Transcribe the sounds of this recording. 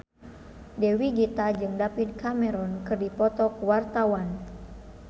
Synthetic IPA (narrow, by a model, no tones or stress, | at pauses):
dɛwiɡit̪ad͡ʒɨŋdapit̪̚kamɛɾɔnkɨrdipɔt̪ɔkuwart̪awan